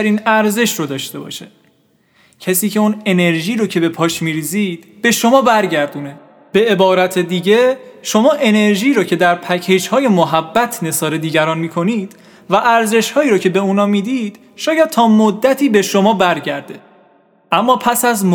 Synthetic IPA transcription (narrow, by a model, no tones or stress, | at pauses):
ɾiːnæɾze̞ʃɾod̪ɒːʃt̪e̞bɒ̰ːʃe̥ | cʰæsiːcʰe̞une̞ne̞ɾʒiːɾocʰe̞be̞pʰɒːʃmiːɾiːziːd̪̥b̥e̞ʃo̞mɒːbæɾɟæɾd̪uːne̞ | b̥e̞e̞bɒːɾæt̪ʰe̞d̪iːɟe̞ʃo̞mɒːʔe̞ne̞ɾʒiːɾocʰe̞d̪æɾpʰæcʰe̞d͡ʒhɒːje̞moɦæbːæt̪ʰne̞sɒːɾed̪iːɟæɾɒːnmiːkʰo̞niːd̪̥ | væʔæɾze̞ʃhɒːiːɾocʰe̞be̞unɒːmiːd̪iːd̪̥ | ʃɒːjæd̪̥̚t̪ʰɒːmod̪ːæt̪ʰiːbe̞ʃo̞mɒːbæɾɟæɾd̪e̞ | ʔæmːɒːpʰæsæzmo